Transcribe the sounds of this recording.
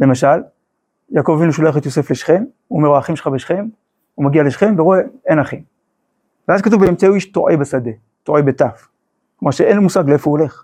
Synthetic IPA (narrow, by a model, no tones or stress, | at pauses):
le̞maʃal | jaːko̞vavinuʃoloeχet̪jo̞se̞fle̞ʃχen | umeʁoaχimʃeχabeʃχe̞n | umaɡialeʃχe̞nveʁoeenaχim | veazkat̪uvbeemt͡seuiʃtoʔebesad̪e | t̪oejbetaf | kmaʁʃeenlomusaɡleefouole̞χ